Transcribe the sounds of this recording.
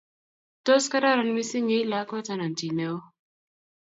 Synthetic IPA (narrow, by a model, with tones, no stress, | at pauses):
to˦ska˦da˦˨ɾa˨n˦mi˦si˦ɲi˦i˦la˦ko˦ta˦na˨n˨ti˨ne˦o˦